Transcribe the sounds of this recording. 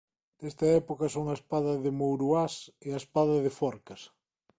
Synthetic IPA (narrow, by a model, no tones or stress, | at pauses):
d̪̥est̪ɐɛpokɐsoŋɐespaðɐðemowɾuaseaespaðɐðefɔɾkɐs